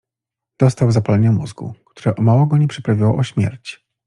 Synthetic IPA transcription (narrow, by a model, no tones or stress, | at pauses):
d̪̥ɔst̪awzapalɛɲamuzɡṵkt̪uɾɛʔɔmawɔɡɔɲɛpʂɛpɾavʲiwɔɔɕmʲjɛ̰ɾt͡ɕ